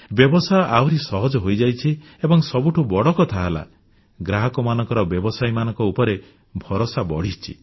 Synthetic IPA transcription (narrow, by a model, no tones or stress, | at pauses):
bjɔbɔsaʔawɾisɔɦɔd͡ʒɔɦojd͡ʒajt͡ʃʰi | ebɔŋsɔbuʈʰubɔɽɔkɔt̪ʰaɦala̰ | ɡɾaɦɔkɔmanɔŋkɔɾɔbjɔbɔsajmanɔŋkɔupɔɾe | bʱɔɾosabɔɽ̤it͡ʃʰḭ